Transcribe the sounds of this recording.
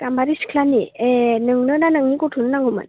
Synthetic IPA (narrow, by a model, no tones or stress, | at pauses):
tambaɾiskʰlanienɯŋnɯnanɯŋnikutʰunnaŋɯmɯ̰n